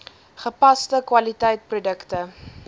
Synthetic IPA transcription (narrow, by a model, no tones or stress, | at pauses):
χəpɐstəkwɐlitɛjt̚prudəktə